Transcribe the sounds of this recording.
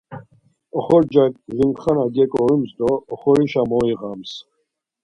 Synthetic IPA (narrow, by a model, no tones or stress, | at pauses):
ɔχɔɾd͡ʒakʼʒimχanaɡɛkʼɔɾumzd̪ɔːχɔɾiʃamɔiʁams